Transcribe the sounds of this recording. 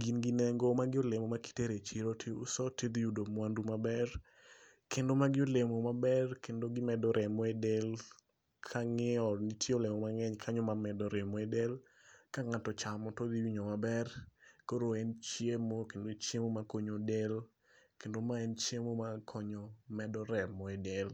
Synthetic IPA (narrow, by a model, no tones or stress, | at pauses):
ɡinɡinɛŋɡomaɡɪolemomaki̥teɾet͡ʃiɾotʰiṵsɔted̪judomwandumabɛr | kendomaɡɪolemomabɛrkendoɡɪmɛdɔɾʔɛmɔɛdel | kʰaŋeɔnitʰjeolemɔmaŋɛɲkʰaɲɔmamɛdɔɾɛmɔɛdel | kaŋatɔt͡ʃamɔtodiwiɲɔmabɛrkoɾoɛnt͡ʃjemokendot͡ʃjemomakoɲodel | kendomaɛnt͡ʃjemomakʰɔɲɔmɛdɔɾɛmɔɛdel